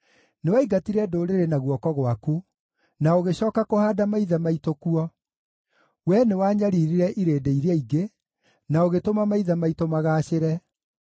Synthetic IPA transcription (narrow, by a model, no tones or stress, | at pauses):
newaiɡatiɾɛdoːɾeɾenaɣwɔkɔɣwaku | naoɣeɕɔːkakohaːdamaiðɛmaitokuɔ | wɛnewaɲaɾiːɾiɾɛʔiɾeːdeiɾeaiɡe | naoɣetomamaiðɛmaitomaɣaːɕeɾɛ